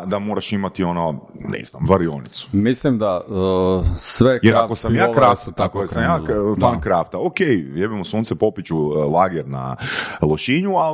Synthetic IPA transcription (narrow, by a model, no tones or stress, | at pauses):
d̪amoːɾaʃimat̪iononɛ̰zna̰mʋaɾionit̪su̥mislimd̪a | sʋejeɾakossamjaːkɾasut̪akoesamjaːfankɾaft̪aokejjebimosuːnsepo̞pit͡ɕulaːɡeɾna̰lˠoʃiɲua